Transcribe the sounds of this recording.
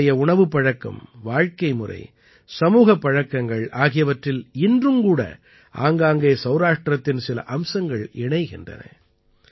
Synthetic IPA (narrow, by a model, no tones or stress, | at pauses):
ɐjɐʊɳɐʋɯpːɐɻɐkːɐ̰mʋaːɻkɐɪmʊrɐ̰ɪ | sɐmuːɣɐpːɐɻɐkːɐŋɡɐɭaːɣɪjɐʋɐʈrɪlɪndrɯmkuːɽɐ̰ | ʔa̰ːŋɡaːŋɡeːsɐʊɾaːʂʈrɐt̪ːɪnsɪlɐ̰ʔɐmsɐŋɡɐɭɪɳɐɪɣɪndrɐ̰nɐ̰